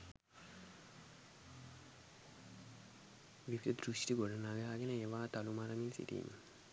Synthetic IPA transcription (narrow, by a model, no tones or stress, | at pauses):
ʋiʋid̪əd̪ɾuʃʈiɡoɖənaːɡəɦaːɡenəeːʋaːt̪alumaɾəminsḭt̪ḭḭɲːə